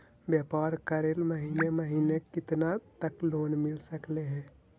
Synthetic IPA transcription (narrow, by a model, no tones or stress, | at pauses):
bjəpaɾkəɾeːlməɦiːneməɦiːnekɪt̪nat̪əkloːnmɪlsəkleɦɛ̃